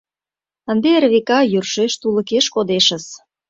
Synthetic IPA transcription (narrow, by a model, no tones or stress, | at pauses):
ənd̪erβekɑjyrʃeʃt̪ulə̆keʃkod̪eʃə̆s